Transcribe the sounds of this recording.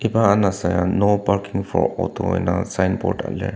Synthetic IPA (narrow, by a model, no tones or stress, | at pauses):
ibaːnasajanopaɾkiŋfɔɾɔ̰t̪ʰoḛnasajnpɔ̰ɾʈa̰lɛ̰